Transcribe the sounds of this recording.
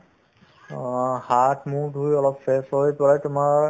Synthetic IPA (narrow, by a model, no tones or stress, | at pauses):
hatmudʱujɔlɔpfɛsojpɔɹatʊmaɹ